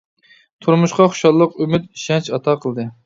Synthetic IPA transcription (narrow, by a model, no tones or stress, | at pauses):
t̪ʰuɾmuʃqɑχʊ̥ʃɑlˠːəqymɪt̪ʃɛnt͡ʃɑt̪ʰɑqʰəlˠd̪ɨ